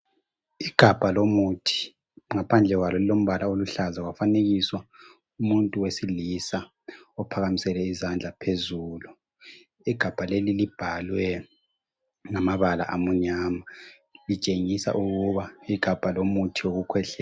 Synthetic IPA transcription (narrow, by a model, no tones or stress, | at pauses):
iɡ̥ʱab̥ʱalomutʰi̥ | ŋapʰand͡ɮʱɛɣwalɔlilom̩βalaoluɬazawafaneɣiswa | umuntʼuwesilisa | ɔpʰaɣamisɛlɛizand͡ɮʱapʰezuːlu | iɡ̥ʱab̥ʱalelilib̥ʱalwɛ | ŋamaβala̰ʔamuɲaːma | lit͡ʃʼeŋisa̰ʔuɣuβaiɡ̥ʱab̥ʱalomutʰioɣukʰwɛɬɛ